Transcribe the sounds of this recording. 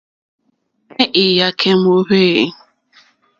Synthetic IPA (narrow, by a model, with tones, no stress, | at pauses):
ne˦ʔɪ˨ja˦kʰe˦m̩˦o˦ɦe˦˨ɪ˦